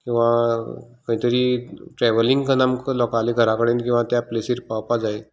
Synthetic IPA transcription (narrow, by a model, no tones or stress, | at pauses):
kĩw̃ʋa | kəĩt̪əɾiːʈɾɛʋəliŋɡkənamkəlɔkaliɡʱəɾakəɽenkĩw̃ʋat̪japlesiːɾpawpad͡zae